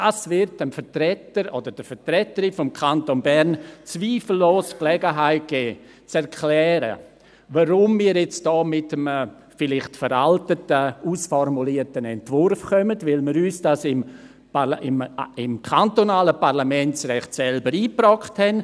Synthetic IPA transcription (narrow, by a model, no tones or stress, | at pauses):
dasvɪɾtənfətɾɛtəɾodəd̥əfətrɛtəɾifɔmkʰantonbɛɾnt͡sviːfl̩ːoːsklɛɡəɦaɪt̚ɡ̥ɛː | t͡sɛɾkʰlɛːɾə̰ | vaɾʊmːiːəɾjɛt͡sd̥ɔːmɪtəmə | fɪlɪχtfəɾaltətəuːsfɔrmuliətənɛntvʊrfkœmətvɪlmiːɾyːsd̥asɪm | ɪmɪmkʰantonaːləpaʁlamɛnt͡srɛχtsɛlbəɾiːpɾɔkthɛn